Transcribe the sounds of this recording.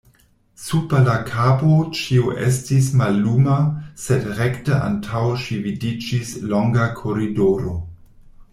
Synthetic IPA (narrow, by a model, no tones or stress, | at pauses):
supalakʰapot͡ʃioʔḛstismalːumasedɾektəʔa̰ntʰawʃividid͡ʒisloŋɡakʰoɾidoɾo